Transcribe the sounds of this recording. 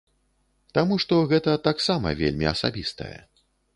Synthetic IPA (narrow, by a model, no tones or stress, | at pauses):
t̪amuʂt̪ɔɣɛt̪ɐt̪aksamɐ̰vʲḛlʲmʲiɐ̰sa̰bʲist̪ɐ̰jɛ̰